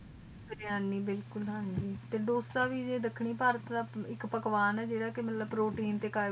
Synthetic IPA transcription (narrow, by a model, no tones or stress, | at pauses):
bəɾɪjaːniːbɪlkʊlɦãnd͡ʒiːt̪eːd̪oːst̪ãːʋiːd͡ʒeːd̪ɪkʰːɳ̃iːpaːɾət̪d̪aːɪkpəkʋaːnɛːd͡ʒeːɽaːkɪmət̪ləbpɾoːʈiːnt̪eːkaː